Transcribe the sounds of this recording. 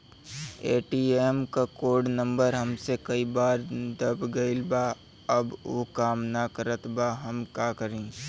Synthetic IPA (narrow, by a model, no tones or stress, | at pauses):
eːʈiːeːmkakoːɾɖnə̃mbəɾɦɐmsekɐibaːɾd̪əbɡɐɪlbaː | ɐboːkaːmnakəɾət̪baɦɐmkaːkəɾẽː